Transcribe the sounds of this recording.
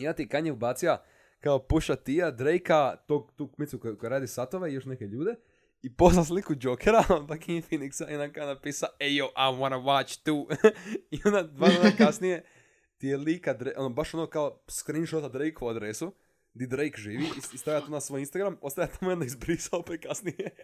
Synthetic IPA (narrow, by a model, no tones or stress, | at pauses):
ijonat̪ikaɲeubaːt̪sia | kaopuʃat̪ijad̪ɾejkat̪oɡ̚t̪uːkmit̪sukojkojeɾaːd̪isat̪oʋe̞ijo̞ʃne̞ke̞ʎuːd̪e̞ | ipo̞znas̬likud͡ʒokʰeɾaonpakifiniksaʔionakaonapiːsaaejoʔaʋanɐwat͡ʃt̪u | iond̪ad̪ʋanonakasnije̞ | t̪ijeliːkad̪ɾeʔonobaʃonokaoskɾinʃot̪ad̪ɾejkouad̪ɾesu | d̪id̪ɾejkʒiːʋiiist̪aʋjʎat̪uːnasʋojinst̪aɡɾamo̞st̪ajat̪amojond̪aizbɾisaopekasnije